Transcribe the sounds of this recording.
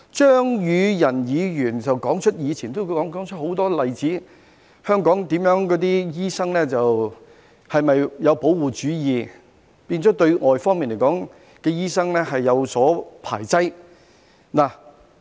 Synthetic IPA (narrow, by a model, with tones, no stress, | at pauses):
t͡ʃœː˥ŋjyː˨˧jɐ˨˩njiː˨˧jyː˨˩nt͡sɐ˨wkɔː˨˥ŋt͡ʃʰɵ˥t̚jiː˨˧t͡sʰiː˨˩nt̪o˥ɔː˨˥ŋː˨˥ŋt͡ʃʰɵ˥t̚ho˨˥wt̪ɔː˥lɐ˨jt͡siː˨˥ | hœː˥ŋkɔː˨˥ŋt̪iː˨˥mjœː˨˥ŋkɔː˨˥t̪iː˥jiː˥sɐ˥ŋlɛː˥t͡sɐ˨w | hɐ˨jmɐ˨jjɐ˨˧wpo˨˥wwuː˨t͡ʃyː˨˥jiː˨˧ | piː˧nt͡sɔː˨˥t̪ɵ˧ɥŋɔː˨jfɔː˥ŋmiː˨˩nle˨˩jkɔː˨˥ŋ | kɛː˧jiː˥sɐ˥ŋlɛː˥hɐ˨jːɐ˨˧wsɔː˨˥pʰa̰ː˨˩jt͡sɐ˥j | naː˨˩